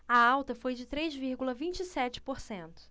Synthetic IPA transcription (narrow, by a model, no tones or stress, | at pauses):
ɐawt̪ɐfojd͡ʒɪt̪ɾezviɾɡulɐvĩnt͡ʃɪisɛt͡ʃɪ̥poɾsẽnt̪ʊ̥